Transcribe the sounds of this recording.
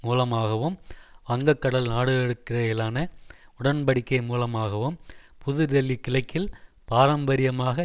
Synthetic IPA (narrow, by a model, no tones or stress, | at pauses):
muːlɐmaːɣɐʋɯmɐŋɡɐkːɐɽɐlnaːɽɯɣɐɛɽɯkːɪrɐɪlaːnɐʊɽɐnbɐɽɪkːɐɪmuːlɐmaːɣɐʋɯmpʰʊðɯðɛlːikːɪlɐɪkːɪl | paːɾɐmbɐɾɪjɐmaːɣɐ